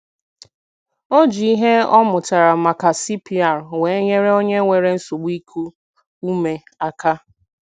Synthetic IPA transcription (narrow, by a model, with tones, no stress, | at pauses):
o˦d͡ʒi˨i˦ɦe˦ɔ˦mʊ˨ta˨ɾa˨ma˨ka˨si˦pi˦a˦˨ɾwe˨˦ɲe˦ɾe˦o˦ɲe˦ŋʷe˨ɾe˦n̩˦su˨ɡ͡bi˦kʰu˦ | u˦me˨ | a˦ka˦